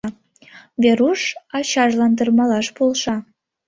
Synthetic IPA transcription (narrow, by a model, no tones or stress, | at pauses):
βʲeɾuʃɑɕɑʒlɑnd̪ərmɑlɑʃpolˠʃɑ